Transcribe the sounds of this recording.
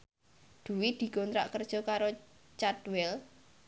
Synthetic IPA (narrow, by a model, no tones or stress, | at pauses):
d̪̥ṳwid̪̥i̤ɡ̥ont̪ɾaʔkərd̥ʒ̥ɔ̤kaɾo | t͡ʃat̪wɛl